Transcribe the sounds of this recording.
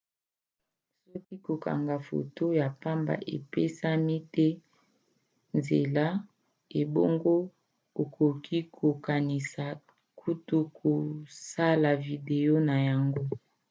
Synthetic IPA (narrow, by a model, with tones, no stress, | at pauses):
sɔ˦ki˦ko˨ka̰˨ŋɡa˨fo̰˨to˦ja˨pa˦mba̰˨ʔe˨pe˦sa˦mi˦tɛ˦ | nze˨la˦ | e˨bo˦ŋɡo˦ | o˨kʰo˨kʰi˦kʰo˨ka˨ni˨sa˨ | kʰu˦tu˦kʰo˨sa˦la˨vi˨de˨o˦na˨ja˨ŋɡo˦